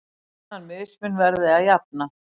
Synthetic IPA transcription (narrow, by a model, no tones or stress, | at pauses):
anmɪðɪsmʏnvɛɾðɪaðjap̚na